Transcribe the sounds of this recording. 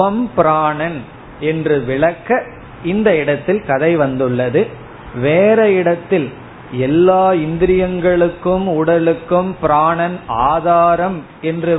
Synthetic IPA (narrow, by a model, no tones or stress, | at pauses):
ɐmpɪɾaːɳɐn | ɛndrɯʋɪɭɐkːɐ | ɪnd̪ɐɪɽɐt̪ːɪlkɐðɐɪʋɐnd̪ɯɭːɐðɯ | ʋeːɾɐɪɽɐt̪ːɪl | ɛlːaːɪnd̪ɪɾɪjɐŋɡɐɭɯkːɯmʊɽɐlɯkːɯmpɪɾaːɳɐnaːðaːɾɐm | ɛndrɯ